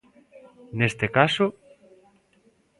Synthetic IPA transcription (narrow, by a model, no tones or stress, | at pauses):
nest̪ekaso